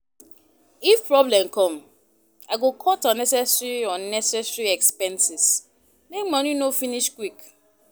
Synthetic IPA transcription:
ifpɹɔblɛ̃mkʰɔ̃m | aɪɡokʰɔtɔnɛsɛsɹiɔnɛsɛsɹiɛkspɛ̃nsis | mekmɔ̃ninofiniʃkwik

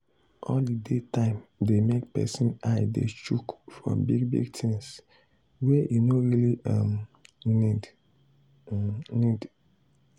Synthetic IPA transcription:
ʔɔ̰ldidetʰãɪ̃mdemek̚pɛ̰sĩnaɪdḛt͡ʃukfɹɔ̰̃biɡ̚bḭɡtʰĩŋs | wɛjʔinoɹiliamnid | nid

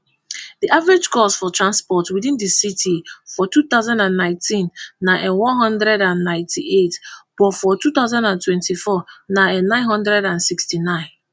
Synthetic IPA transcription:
diʔavɹed͡ʒkʰɔsfɔtʰɹãnspɔtwiðĩndisitʰifɔtuθaʊzãndãnːãɪ̃ntĩnːaʔɛ̃wɔ̃nɦɔ̃ndɹɛdãnːãɪ̃ntʰietb̥ɔfɔtuθaʊzãndãntwɛ̃ntifɔnaɛ̃nːãɪ̃nɦʌ̃ndɹɛdãnsikstinãɪ̃n

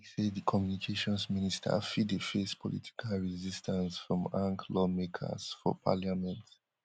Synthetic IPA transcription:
sedikʰɔmjunikʰeʃɔ̃nsministʰa̰fidefespʰɔlḭtʰi̥kʰalɹizistʰãnsfɹɔ̃mãŋklɔmekʰa̰sfɔ̰pʰa̰ljamɛ̃nt

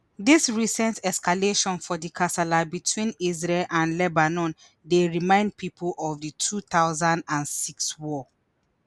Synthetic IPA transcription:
ðisɹisɛ̃ntʰɛskaleʃɔ̃nfɔdikʰasalabitʰwĩnizɹelʔãnlɛbanɔ̃n | deɹimãɪ̃nd̚pʰipʰulʔɔvditʰuθaʊzãndãnsikswɔ

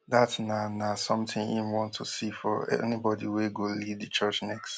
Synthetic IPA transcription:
datnanasʌ̃mtɪ̃nḭnwɔ̃ntʰusifɔɛ̰nibɔdiweɡolivdɨt͡ʃɜt͡ʃnɛkst

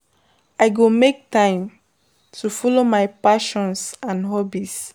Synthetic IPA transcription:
aɪɡomek̚tãɪ̃m | tʰufɔlomajpaʃɔ̃nsãnɦɔbis

